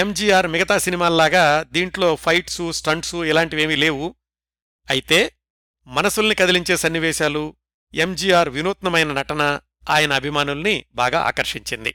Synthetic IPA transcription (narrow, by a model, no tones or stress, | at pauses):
emd͡ʒiːjaːɾmiɡɐt̪aːsinimaːlɐlaːɡaːd̪iːɳʈlo̞ːpʰɐjʈsusʈɐɳɖsuɛlaːɳʈiʋeːmile̞ːwu | ɐjit̪e̞ː | mɐnɐsulɐnikɐd̪iliɲt͡ʃe̞ːsɐnːiʋɛːʃaːlu | emd͡ʒiːjaːɾʋinuːt̪nɐmɐjnɐnɐʈɐnɐ | aːjɐnɐːbʱimaːnulɐnibaːɡa̰ːa̰ːkɐɾʂiɲt͡ʃind̪ḭ